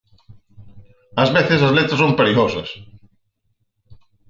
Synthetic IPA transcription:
ɐzβeθesɐzlet̪ɾɐsompeɾiɣosɐs

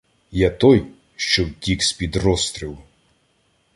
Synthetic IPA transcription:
jat̪ɔj | ʃt͡ʃɔwtʲikspʲid̪rɔst̪ɾʲiw

